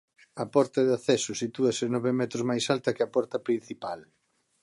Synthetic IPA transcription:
ɐpɔɾt̪ɐðeaθɛsʊsit̪uɐsɪnɔβɪmɛt̪ɾozmajsalt̪ɐkɪɐpɔɾt̪ɐpɾĩn̟θipal

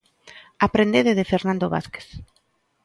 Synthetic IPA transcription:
apɾend̪eðeðefeɾnãnd̪oβa̰θke̥θ

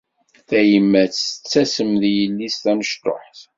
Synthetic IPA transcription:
θæjəmːæt͡st͡sːæsəmðjəlːist̪æməʃt̪o̰ħθ

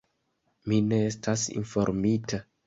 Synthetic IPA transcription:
mine̞estʰasḭnfo̞ɾmitʰa

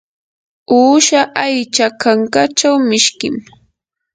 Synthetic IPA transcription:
uːʃaʔajt͡ʃakaŋkat͡ʃawmɪʃkɪ̰m

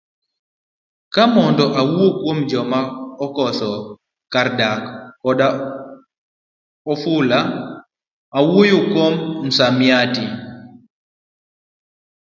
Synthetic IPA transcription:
kamɔndɔʔawuokwomd͡ʒɔmaɔkɔsɔ | kaɾdakːɔda | ɔfula | awojokwomn̩samjati

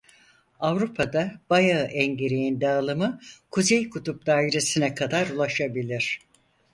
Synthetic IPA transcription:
avɾupʰad̪abajaʔɛɲɟeɾejind̪aːlˠɯmɯkʰuzejkʰut̪up̚d̪aːiɾe̞sinɛkʰad̪aɾulˠaʃabilʲiɾ̝̥

